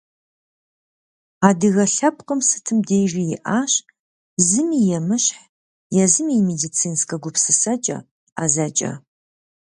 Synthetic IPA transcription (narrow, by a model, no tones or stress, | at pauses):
aːdɨɣɐɬɐpqəmsɨ̥tʰɨmdejʒijɪʔaːɕ | zɨmijɛmɨɕħ | jɛzɨmiːmedit͡sʰiːnskʼɐɡʷʊpʰsɨsɐt͡ʃʼɐ̰ | azɐt͡ʃʼɐ̰